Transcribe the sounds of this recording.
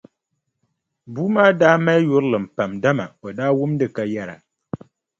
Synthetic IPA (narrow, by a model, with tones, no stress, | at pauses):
bu˦maː˦daː˦ma˦jʊ˦ɾɨ˦lɨ˨m̩˨pa˨mda˦ma˨o˨daː˦wʊ˦mdɨ˦ka˨jɛ˦ɾa̰˨